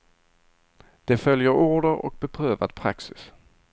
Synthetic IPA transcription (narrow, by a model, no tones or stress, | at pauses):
d̪̥ɛfœljəɾuːɖəɾɔ̰k̚bɛpʰɾøːvad̪pʰɾa̰ksɪs